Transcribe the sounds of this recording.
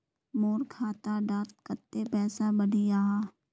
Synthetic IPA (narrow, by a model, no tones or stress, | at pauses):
moːɾkʰaːt̪aɖaːt̪̚kət̪ːepɛːsabəɽijaːɦaː